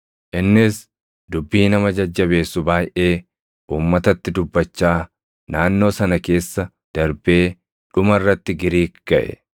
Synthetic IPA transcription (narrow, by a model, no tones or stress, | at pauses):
ʔɪnːɪs | d̪ʊbːiːnɐmɐd͡ʒɐd͡ʒːɐβe̞ːsːʊbaːjʔe̞ː | ʔuːmːɐt̪ɐt̪ːɪd̪ʊbːɐt͡ʃːaː | naːnːo̞ːsɐnɐke̞ːsːɐ | d̪̥ɐɾbe̞ː | ᶑʊmɐrːɐt̪ːɪɡɪɾiːkɡ̥ɐʔɛ̰